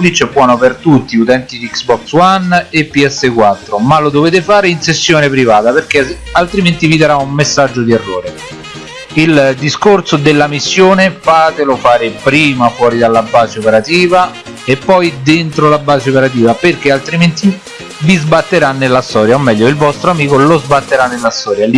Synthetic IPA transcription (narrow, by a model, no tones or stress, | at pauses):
lit͡ʃːɛbːwɔːnopert̪ut̪ːiut̪ɛnt̪id̪iksbɔkswanepːiɛsːekwat̪ːɾomalːod̪oveːt̪̬efaːɾeinsesːjoːnepɾivaːt̪aperk̟e | alt̪ɾiment̪ivid̪eɾaumːesːad͡ʒːod̪iɛrːoːɾe | ild̪iskorsod̪elːamisːjoːnefaːt̪elofaːɾepɾiːmafwɔːɾid̪alːabːaːt͡ʃeopeɾat̪iːva | epːɔjd̪ent̪ɾolabːaːt͡ʃeopeɾat̪̬iːvaperk̟ealt̪ɾiment̪i | vizbat̪ːeɾanːelːast̪ɔːɾjaomːɛʎːoilvɔst̪ɾoamiːkolozbat̪ːeɾanːelːast̪ɔːɾjal